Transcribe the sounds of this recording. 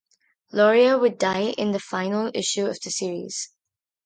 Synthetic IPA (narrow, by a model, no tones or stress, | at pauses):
lɔɹiəwədaɪʔɪ̰̃nðəfãɪ̃nəl̩ˠɪʃʉʌvðɨsiəɹḭz̥